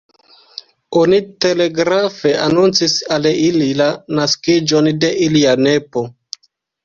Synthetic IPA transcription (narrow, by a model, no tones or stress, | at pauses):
onite̞le̞ɡɾafe̞anunt͡sisalililanaskid͡ʒo̞nde̞ʔiliane̞po